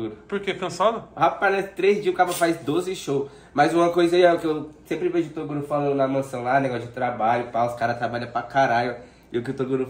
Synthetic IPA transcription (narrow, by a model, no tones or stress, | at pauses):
uɾʊpʊɾkekɐ̃sad̪ʊhapajɛst̪ɾezd͡ʒiʊkabɐfajzd̪ozɪʃow | mɐjzũmɐkojzɐiɛʊkɪewsẽpɾɪveʒʊʊt̪oɡuɾʊfalɐnɐmɐ̃sɐ̃w̃laneɡɔsʊd͡ʒɪt̪ɾabaʎʊpaʊskaɾɐt̪ɾabaʎɐpakaɾaʎʊ | ɪʊkɪʊt̪oɡuɾu